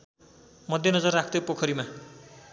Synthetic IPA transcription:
mʌd̪ʱjʌnʌd͡zʌrːakʰt̪opokʰʌɾima

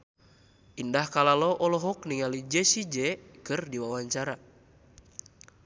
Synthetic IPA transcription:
ʔindahkalalɔʔɔlɔɦɔkniŋalid͡ʒɛsid͡ʒɛkɨrdiwawaɲt͡ʃaɾa

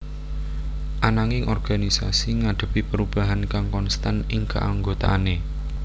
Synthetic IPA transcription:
ʔanaŋɪŋʔɔrɡ̥anisasiŋaɖ̪̥ə̤pipəɾub̥a̤ɦankaŋkɔnst̪anɪŋka̰ʔaŋɡot̪a̰ane

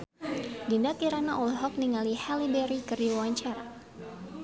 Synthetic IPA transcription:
dindakiɾanaʔɔlɛɦɔk̚niŋalihalibɛɾikɨrdiwawaɲt͡ʃaɾa

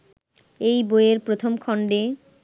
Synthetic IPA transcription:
ejboeɾpɾot̪ʰomkʰɔɳɖe

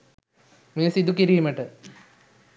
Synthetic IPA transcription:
miːsid̪ukiɾijimɐʈːɨ

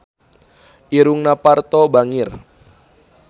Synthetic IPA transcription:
ʔiɾuŋnapart̪ɔbaŋɪr

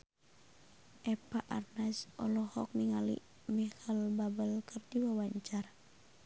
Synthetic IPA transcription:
ʔɛpaʔarnasʔɔlɔhɔk̚niŋalḭ | mihalbabəlkərt̪iwawaɲt͡ʃaɾa

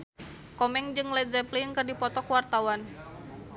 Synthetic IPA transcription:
kɔmɛŋd͡ʒɨŋlɛzɛplinkɨrdipɔt̪ɔkwart̪awan

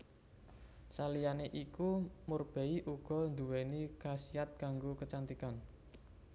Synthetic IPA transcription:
salijaneʔikumʊrb̥e̤iʔuɡ̥ɔ̤nd̪uwenikasiat̪̚ɡ̥aŋɡokət͡ʃant̪ikan

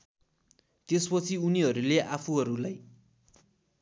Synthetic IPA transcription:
t̪espʌt͡sʰiuniɦʌɾuleʔapʰuɦʌɾulaj

